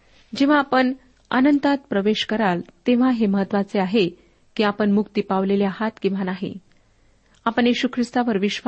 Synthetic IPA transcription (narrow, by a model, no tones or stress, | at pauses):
d͡ʑeʋ̤aːpəɳ | ə̰nənt̪at̪̚pɾəʋeɕkəɾalt̪eʋ̤aɦeməɦət̪ʋat͡seaɦe | kiːapəɳmukt̪ipaʋleljaɦat̪kĩw̃ʋanaɦḭ | apəɳjeɕukʰɾist̪aʋəɾʋiɕʋ